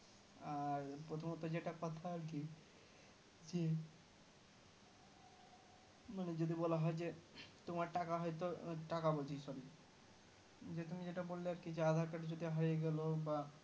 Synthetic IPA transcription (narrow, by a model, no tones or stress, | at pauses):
aɾpɾot̪ʰomot̪od͡ʑeʈakɔt̪ʰaaɾki | d͡ʑe | maned͡ʑod̪ibɔlaɦɔed͡ʑet̪omaɾʈakaɦɔejt̪̬oʈakabod͡ʑijsɔɾi | d͡ʑet̪umid͡ʑeʈabolːeaɾkid͡ʑead̪ʱaɾkaʈed͡ʑod̪iɦojeɡɛloba